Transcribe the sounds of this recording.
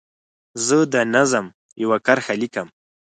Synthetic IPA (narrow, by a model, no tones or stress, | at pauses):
zəd̪ənazəm | jawakaɾxalikəm